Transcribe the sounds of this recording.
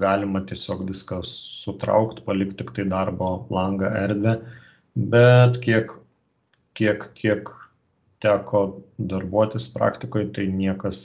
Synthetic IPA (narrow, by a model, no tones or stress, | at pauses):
ɡɑːlʲɪmɐt̪ʲiɛsʲoːkʋʲɪskɐsʊt̪ɾɐ̰ʊkt̪pɐlʲɪkt̪t̪ʲɪkt̪ɐɪd̪ɐrboːlˠɐŋɡɑʔɛɾʲd̪ʲʋʲɛ | bʲɛt̪kʲiɛk | kʲiɛkkʲʰiɛk | t̪ʲæːkoːd̪ɐrbuɔt̪ʲɪspɾɑ̰ːkt̪ʲɪkoːjt̪ɐɪnʲiɛkɐs